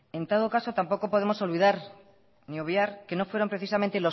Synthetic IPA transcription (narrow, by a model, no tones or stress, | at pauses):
e̞nt̪oð̞okaso̞t̪ampo̞ko̞po̞ðe̞mo̞so̞lβiðaɾ | nio̞βjaɾke̞no̞fweɾo̞mpɾe̞θisamẽnt̪elo̞